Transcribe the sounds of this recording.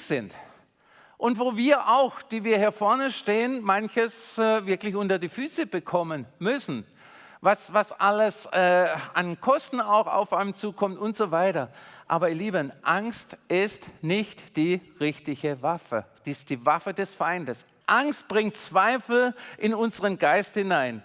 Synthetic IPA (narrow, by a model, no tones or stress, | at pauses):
z̥ɪnt | ʔʊntv̥oːviːɐʔaʊxd̥iːviːɐhiːɐfɔɐnəʃteːənmançəsɛvɪɐklɪçʔʊntɐdiːfyːsəb̥əkʰɔmənmʏsn̩ | vasvasʔaləsɛːankʰɔstn̩aʊxa̰ʊfaɪnəmt͡suːkʰɔmtʊntz̥ovaɪtɐʔa̰ːbɐɪɐliːbənʔaŋstʔɪstnɪçtd̥iːʁɪçtɪçəvafə̰d̥iːsd̥iːvafədɛsfaɪndəs | ʔaŋst̚b̥ʁɪŋtt͡sv̥aɪfl̩ʔɪnʊnzəʁənɡaɪsthɪnaɪn